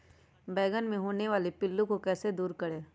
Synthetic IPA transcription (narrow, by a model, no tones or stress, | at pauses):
bɛːɡənmẽɦoːneʋaːlepɪlːũkokɛːsed̪uːɾkɐɽeː